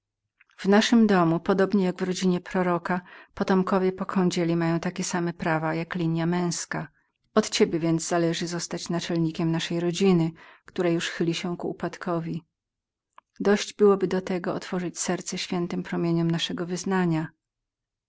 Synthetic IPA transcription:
v̥naʂɘmd̪ɔmupɔd̪ɔbɲɛjaɡvɾɔd͡ʑiɲɛpɾɔɾɔkapɔt̪ɔmkɔvʲjɛpɔkʰɔ̃ɲd͡ʑelʲimajɔ̃w̃t̪akʲɛsamɛpɾavajaklʲiɲjamɛ̃w̃ska | ɔt̪t͡ɕebʲjɛvʲjɛnd̪zzalɛʐɘzɔst̪at͡ɕnat͡ʂɛlɲikʲɛmnaʂɛjɾɔd͡ʑinɘkt̪uɾajuʂxɘlʲiɕɛkuːpat̪kʰɔvʲi | d̪ɔɕd͡ʑbɘwɔbɘd̪ɔt̪ɛɡɔɔt̪fɔʐɘt͡ɕsɛɾt̪sɛɕfʲjɛnt̪ɘmpɾɔmʲjeɲɔmnaʂɛɡɔvɘznaɲa

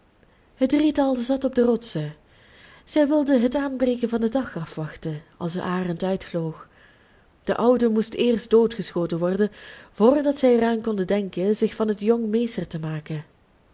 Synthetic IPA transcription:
hət̚dritɑlˠzɑtɔb̚dərɔtsə | z̥ɛjʋɪlˠdəɦətaːnbrejkənvɑndədɑχɑfʋɑxtənɑ̰lˠsəʔaːrəntœɥtfloːχ | d̥əʔʌwdəmustɪːrstdoːtχəsxoːtənʋɔrdənv̥oːrdɑtsɛjəɾaːnkɔndədɛŋkənzɪxfɑnɦətjɔŋmejstərtəmaːkən

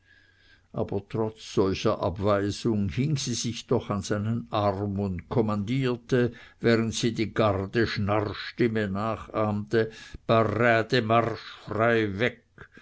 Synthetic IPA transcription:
ʔaːbɐtʁ̥ɔt͡sz̥ɔlçɐʔa̰bv̥aɪzʊŋhɪŋziːzɪçd̥ɔχanz̥aɪnənʔaʁmʊntkʰɔmandiːɐtəvɛːʁəntsiːdiːɡaʁdəʃnaʁʃtɪmənaːχaːmtəb̥aʁaːdəmaʁʃfʁaɪvɛk

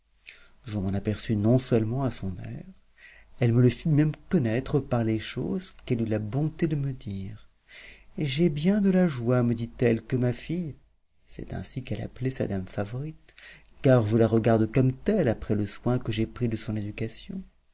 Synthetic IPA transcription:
ʒəmɑ̃napɛʁsynɔ̃sœlmɑ̃asɔ̃nɛ̰ʁ | ɛlmələfimɛmkɔnɛt̪χəpaʁleʃo̰zkɛlylabɔ̃t̪ed̪əməd̪iːʁ | ʒɛbjɛ̃d̪əlaʒwaməd̪it̪ɛlkəmafij | sɛ̰t̪ɛ̰̃sikɛla̰plesa̰d̪amfavɔʁit̪ | kaʁʒəlaʁəɡaʁd̪kɔmt̪ɛlapχɛləswɛ̃kəʒepχid̪əsɔ̃ned̪ykasjɔ̃

